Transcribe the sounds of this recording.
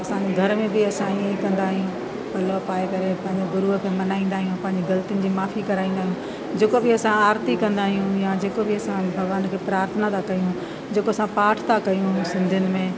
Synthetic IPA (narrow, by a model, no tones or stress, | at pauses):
ɐsãɲd͡ʑeɡʱɐɾmẽbɪɐsãikɐ̃nd̪aːɦijũ | bɐlopaːekɐɾepɐ̃ɦɪ̃ɲd͡ʑobʊɾuɦəkʰeːmɐnaːĩːn̆d̪aːɦijũpɐ̃ɦɪ̃ɲd͡ʑiɡɐlt̪ijʊnɪ̆d͡ʑiːmaːfikɐɾaːĩːnd̪aːɦijũ | d͡ʑeːkobɪɐsãaːɾt̪ikɐ̃nd̪aːɦijũjad͡ʑeːkobɪɐsãbʱɐɡʋaːnkʰeːpɾaːɾt̪ʰənat̪ʰakɐjũ | d͡ʑeːkoɐsãpaːʈʰt̪ʰakɐjũsɪ̃nd̪ʱjʊnɪ̆mẽ